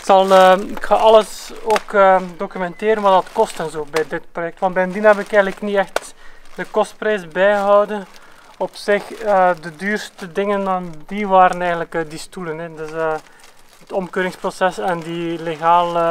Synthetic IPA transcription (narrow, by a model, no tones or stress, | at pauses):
ɪksɑlˠəɪkxaːʔɑləsoːkədokymɛnteːɾənʋɑtdɑtkɔstənzoːbɛjdɪtprojɛk̚tʋɑntbɛjəndinɛbɪkɛːɣənləkniɛxtdəkɔst̚prɛjsbɛjəɦɔwdən | ɔpsɪxədədyːrstədɪŋənaːndiʋaːɾənɛjɣəntləkədistulənɛdəsə | ətɔmkøːɾɪŋsprosɛsɛndileɣaːlə